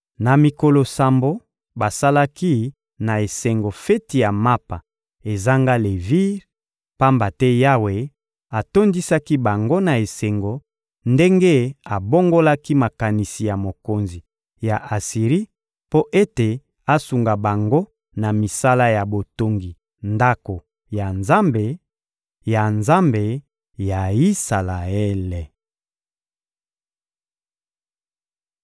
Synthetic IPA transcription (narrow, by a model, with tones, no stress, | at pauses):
na˨mi˨ko˨lo˨sa˨mbo˦ | ba˨sa˦la˦ki˦ | na˨e˨se˨ŋɡo˨fɛ˦ti˨ja˨ma˦pa˨ | e˨za˦ŋɡa˦le˨vi˦ʁ | pa˦mba˨tɛ˦ja˦we˨ | a˨to˦ndi˦sa˦ki˦ba˨ŋɡo˦na˨e˨se˨ŋɡo˨ | nde˦ŋɡe˦a˨bo˦ŋɡo˦la˦ki˦ma˨ka˨ni˨si˨ja˨mo˨ko˨nzi˨ | ja˨ʔa˨si˨ʁi˦ | po˦ʔe˦te˨ | a˦su˨ŋɡa˨ba˨ŋɡo˦ | na˨mi˨sa˦la˦ja˨bo˨to˨ŋɡi˨ | nda˦ko˨ | ja˨nza˦mbe˨ | ja˨nza˦mbe˨ | ja˨i˦sa˨la˨ɛ˦le˨